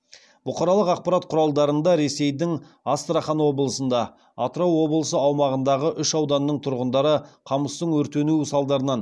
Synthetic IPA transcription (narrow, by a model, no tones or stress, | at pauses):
bʊqɑɾɑlˠəqɑq̚pɑɾɑt̪̚qʰʊɾɑlˠd̪ɑɾənd̪ɑɾe̞se̞jd̪ɪŋ | ast̪ɾaχɑnwo̞blˠəsənd̪ɑ | ɑt̪ɾɑwːo̞blˠəsəɑwmɑʁənd̪ɑʁəʔʏʃɑwd̪ɑnːəɴt̪ʰʊɾʁənd̪ɑɾəqʰɑməst̪əɴwɵɾt̪e̞nusɑlˠd̪ɑɾənɑn